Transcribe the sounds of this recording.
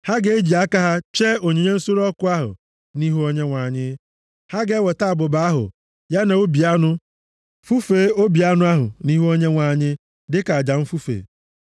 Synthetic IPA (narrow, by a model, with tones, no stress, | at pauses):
ha˦ɡe˨e˦d͡ʒi˨a˦ka˦ɦa˦t͡ʃe˦o˨ɲe˨ɲe˦n̩˦so˦ɾɔ˦kʊ˦a˦ɦʊ̰˨ | ni˦ɦu˦o˦ɲe˦ŋʷa˨ɲɪ˦ | ha˦ɡe˨˦we˨ta˦a˨bʊ˨ba˨˦a˦ɦʊ̰˨ | ja˦na˨o˦bi˨a˦nʊ˦ | fu˦fe˨˦o˦bi˨a˦nʊ˦a˦ɦʊ̰˨ni˦ɦu˦o˦ɲe˦ŋʷa˨ɲɪ˦ | dɪ˦ka˨a˨d͡ʒa˨m̩˦fu˦fḛː˨